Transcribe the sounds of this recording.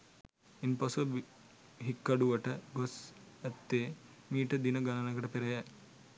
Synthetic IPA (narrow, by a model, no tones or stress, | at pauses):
inpɐsɐb | ɦikːɐɽuʋɐʈɐɡosɐt̪ːeː | miːʈɐd̪inɐɡɐnɐnɐɡɐʈɐpeɾɐjɐ